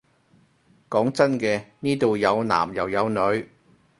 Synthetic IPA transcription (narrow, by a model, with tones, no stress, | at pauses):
kɔː˨˥ŋt͡sɐ˥nkɛː˧niː˥t̪o˨wjɐ˨˧wna̰ː˨˩mjɐ̰˨˩wjɐ˨˧wnɵ˨˧ɥ